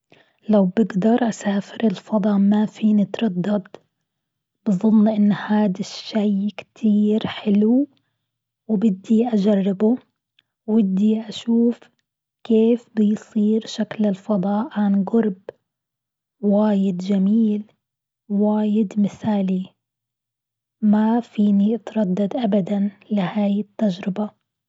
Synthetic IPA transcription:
lawbɪɡd̪ɑɾˤʔasaːfɪɾɪlfɑd̪ˤɑmafiːnɪt̪ɾˤɑd̪ːɑd̪ | b̥ɨðˤʊlːʔɪnːhaːd̪aʃːajkt̪ʰiːɾħɪlu | wbɪd̪ːiʔad͡ʒarˤːɪbʊ | wɪd̪ːiʔaʃuːf | keːfbɪjsˤiːɾʃaklɪlfɑd̪ˤɑːʔʕanɡʊɾb | waːjɪd̪d͡ʒamiːl | waːjɪd̪mɪθaːli | mafiːnit̪ɾˤɑd̪ːad̪ʔabad̪anlɪhaːjɪt̪ːad͡ʒɾɪba

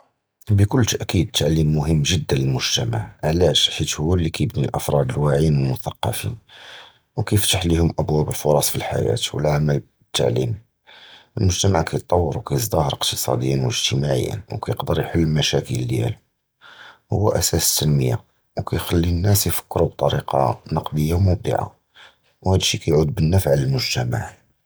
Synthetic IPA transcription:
bəkʊlːt̪əʔkid̪̚t̪ʰːaʕlimːʊɦəmːʒəd̪ːənləlmʊʒt̪æmaʕʕlæʃħit̪hʊwːælːikæjəbnilʔəfɾˤɑd̪əlwaʕinwəlmʊθɑqːɑfḭn | wkæjəft̪aħləhʊmʔæbwæbəlfʊɾˤɑsˤfilħa̰jæ̰t̪wə̰lʕaməl | ət̪ːa̰ʕlim | ʔəlmʊʒt̪æmaʕkæjt̪ˤːɑwːəɾuwkæjəzd̪ɑhəɾˤəqt̪əsˤɑ̰d̪əjːənwəʒt̪əmaʕə̰jːə̰nwkæjəqd̪əɾjħəlːmæʃækəlːjæ̰l | hʊ̰wːæʔæsæsə̥t̪ʰːænməjːa | wkæjxælːinːæsjfə̥kːɾub̚t̪ˤɑɾiqɑ̰nɑqd̪əjːawmʊb̚d̪ə̰ʕa̰ | whæd̪əʃːikæjʕud̪̚bənːæfʕaləlmʊʒt̪æma̰ʕ

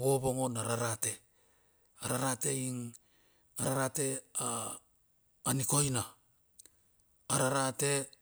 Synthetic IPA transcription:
βo̞βo̞ŋo̞naɾaɾate̞ | aɾaɾate̞iŋ | aɾaɾate̞a | niko̞jna | ɾaɾate̞

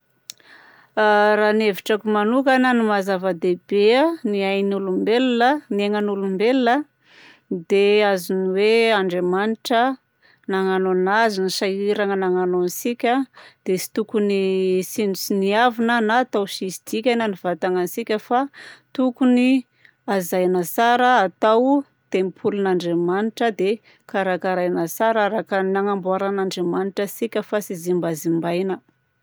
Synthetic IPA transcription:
raːneviʈ͡ʂakumanukananimazavəd̪ebeaniajnulumbelnənieŋənulumbelnə | d̪eaziniweaɳɖ͡ʐemaniʈ͡ʂə | naŋanonazinisaiɾaŋənaŋanonisikʲəd̪̥esi̥t̪ukunisinusiniavinənat̪awʃisid̪̥ikʲanəniv̥at̪aŋanisikʲəfat̪ukuni | azajnasaɾəːt̪aw | t̪emipʰulunaɳɖ͡ʐemaniʈ͡ʂəd̪e | kaɾakaɾajnasaɾaɾakənaŋambuaɾanaɳɖ͡ʐemaniʈ͡ʂəsikʲəfasizimbazimbajnə

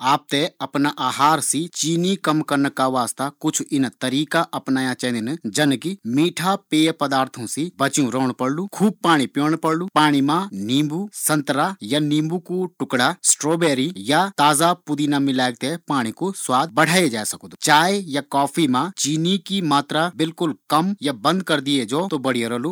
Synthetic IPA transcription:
aːp̚t̪eɐpnaʔaːɦaːɾsit͡ʃiːnikɐmkɐɾnkaʋaːst̪akʊt͡ʃʰɪnt̪ɐɾiːkaʔɐpnaːjãt͡ʃaɦnd̪ɪnd͡ʒɐnkimiːʈʰapeːpɐd̪aːɾt̪ʰũsibɐt͡ʃjũɾoːɽ̃pɐɽlukʰuːb̚paːɽ̃ipjõːɽ̃pɐɽlupaːɽ̃imãnĩːmbusɐ̃nt̪ɾajanĩːmbukuʈʊkɽasʈɾoːbeːɾijat̪aːzapʊd̪inamɪlaːɡ̚t̪epaːɽ̃ikoswaːd̪̚bɐɽ̤ʱaːed͡ʒaːsɐkod̪ut͡ʃaːjjakɔːpʰimãt͡ʃiːnikimaːt̪ɾabɪlkʊlkɐmjabɐ̃nd̪kɐɾd̪ied͡ʒoːt̪obɐɽ̤ijoɾɐlu

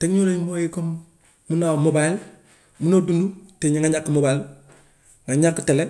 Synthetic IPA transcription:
teɡɲoɾemoikom | munamobail | munodunduteɲiŋaɲakːumobail | ŋaɲakːutele

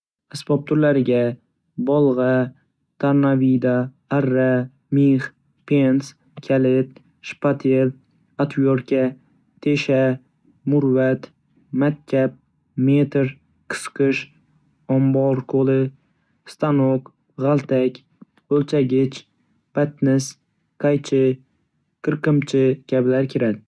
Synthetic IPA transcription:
asbɒp̚t̪ʰʊɾlaɾɪɡʲa | bɒlˠʁɑ | t̪ʰaɾnavid̪aː | ɾːa | miχ | pʰens | kʲʰalɪt̪ | ʃpat̪ʰel | at̪vjoɾkʲa | t̪ʰe̞ʃa | mʊɾvat̪ | makʲkʲʰːap̚ | met̪ʰɾ | qʰɨ̥sqɨʃ | ɒmbɒɾqʰolɪ | st̪ʰanoq | ʁalˠt̪ʰakʲ | ɵlt͡ʃʰaɡʲɪt͡ʃ | b̥at̪nɪs | qʰajt͡ʃʰɪ | qʰɨɾqɨmt͡ʃʰɪkʲʰablaɾkʲʰɪɾad̪ɪ

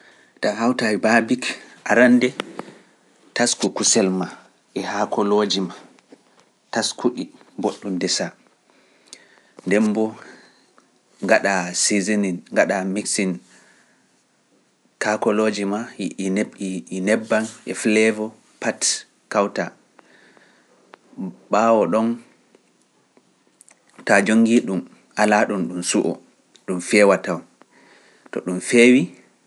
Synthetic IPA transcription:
tahawtaibabikʔaɾandɛ | taskukusɛlma | ʔɛhakɔloːd͡ʒima | taskuɗiboɗːundɛsa | ndɛmbɔ | ŋɡaɗasizininŋɡaɗamiksin | kakɔlod͡ʒimanɛːnɛbːanʔɛflɛvɔ | pat | kawta | ɓaːwɔɗɔn | tad͡ʒoŋːɡiɗum | ʔalaɗumɗumsuʔɔ̰ | ɗumfɛwataw | tɔ̰ɗumfeːwi

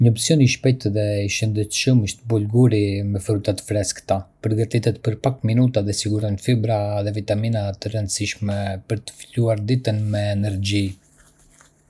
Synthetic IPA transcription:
ɲəɔpsjɔniʃpɛjt̪ðɛiʃənd̪ɛt̪ʃəmiʃt̪əbulɡuɾimɛfɾut̪at̪ə̥fɾɛskt̪apəɾɡat̪it̪ɛt̪̚pəɾpakminut̪aðɛsiɡuɾɔɲfibɾaðɛvit̪aminat̪əɾənd̪əsiʃmɛpəɾt̪ə̥filuaɾd̪it̪ənmɛːnɛɾd͡ʑi

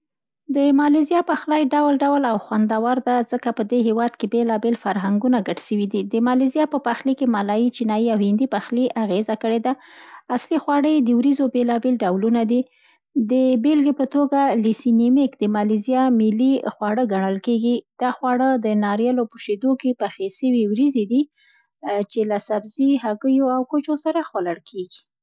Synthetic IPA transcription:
d̪əmɑlizjɑpaxlɑjɖawlɖawlawxwand̪awaɾd̪azəkapəd̪eɦewɑd̪̚kebelɑbelfaɾɦaŋɡunaɡaɖʃəwid̪id̪əmɑlizijɑpəpaxlikemalɑjit͡ʃinɑjiawhɪnd̪ipaxliʔaɣezakəɽed̪aaslixwɑɽəjd̪əwɾizobelɑbelɖawlunad̪i | d̪əbelɡepət̪oɡalisinimɪkd̪əmɑlizjɑmilixwɑɽəɡaɳəlkeɡid̪̥ɑxwɑɽəd̪ənɑɾjɑlopəʃed̪okepaxesəwiwɾized̪i | t͡ʃelasabziɦaɡəjoawkot͡ʃosaɾaxwalaɽkʰeɡi̥

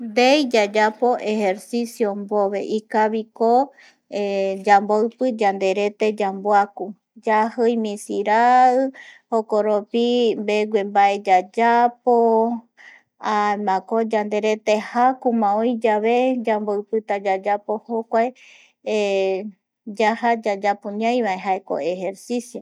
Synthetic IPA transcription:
nd̪ejd͡ʒad͡ʒapo̞ʔehe̞ɾsisjomboβe̞̰ʔikaβiko | ed͡ʒamboɨpɨd͡ʒand̪e̞ɾe̞t̪e̞d͡ʒamboaku | d͡ʒahɨjmĩsiɾa | hokoɾopimbeɡʷembaʔe̞d͡ʒad͡ʒapo | amãkod͡ʒand̪e̞ɾe̞t̪e̞hakumãõjd͡ʒaβe̞d͡ʒamboɨpɨt̪ad͡ʒad͡ʒapo̞hokʷae | d͡ʒahad͡ʒad͡ʒapũɲãj̃βaeɦaeko̞̰e̞he̞ɾsisjo

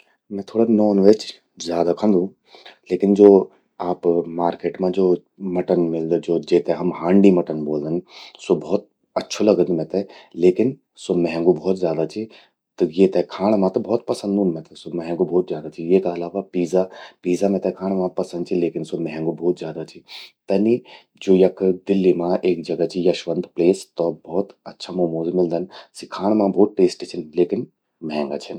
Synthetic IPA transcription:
mɛ̃ːt̪ʰoːɽanɔːnʋeːt͡ʃ | zjaːd̪akʰə̃nd̪ʱũ | leːkɪnd͡ʒoː | aːpmaːɾkeːʈmãd͡ʒoː | mɐʈənmɪld̪d͡ʒoːd͡ʒeːt̪ẽɦɐmɦãːɳɖimɐʈənboːld̪ənsobɔːt̪̚ | ɐtːʃʰolɐɡənd̪mɛ̃t̪ɛleːkɪn | somɛ̃ɦɛ̃ŋɡubʱɔːt̪zjaːd̪at͡ʃʰi | t̪ɐjet̪ɛkʰaːɽ̃mãt̪ɐbɔːt̪̚pɐsə̃nd̪ʱũnmɛ̃t̪ɛsomɛɦɛ̃ŋɡobʱɔːt̪zʲjaːd̪at͡ʃʰijeːkaɐlaːʋapiːzapiːzamẽt̪ɛkʰaːɽ̃mãpɐsə̃nd̪̚t͡ʃʰileːkɪnsomɛ̃ɦɛ̃ŋɡobɔːt̪zjaːd̪at͡ʃʰit̪ɐni | d͡ʒoːjɐkd̪ɪlːimãʔeːk̚d͡ʒɐɡət͡ʃʰijaʃʋɐ̃nd̪pleːst̪ɔːbɔːt̪ɐtːʃʰamoːmoːzimɪld̪ʱɐnsikʰaːɽ̃mãbʱɔːt̪̚ʈeːsʈit͡ʃʰɪnleːkɪn | mɛɦɛ̃ŋɡa̰t͡ʃʰɐn

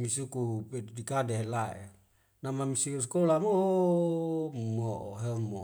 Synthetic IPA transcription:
misukupedidikadeɦelaʔḛ | namamisikus̬kolamo | moʔoɦemo

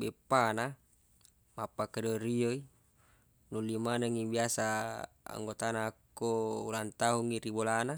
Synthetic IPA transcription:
bɛpːana | mapakadɔɾioi | nulimanaŋibiasa | a̰ŋɡɔt̪anaːkːɔulant̪aɦuŋiɾibɔlana

